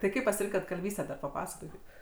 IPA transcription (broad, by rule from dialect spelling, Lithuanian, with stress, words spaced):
tɐɪ ˈkɐɪp pɐsʲɪˈrʲɪŋkɐt kɐlʲˈʋʲiːsʲtʲæː dɐr pɐˈpɑːsɐkoːkʲɪt